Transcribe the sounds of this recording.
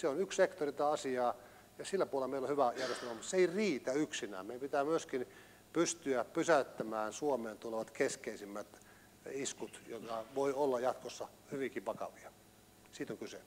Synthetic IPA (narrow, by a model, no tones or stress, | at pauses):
seonykssekt̪orit̪ɑːɑsiɑː | jɑsilːæpuolelɑmeilohyʋæjærjest̪elmɑmut̪seeiriːt̪æyksinæ̰ːmmeˑipit̪æːmyøskin | pyst̪yæpysæyt̪ːæmæːnsuomeːnt̪uleʋɑt̪keskeisimːæt̪ | iskut̪jot̪kɑʋoiolːɑjɑt̪kosːɑ | hyʋiŋkiʋɑkɑ̰ʋiɑ | siːt̪oŋkysḛ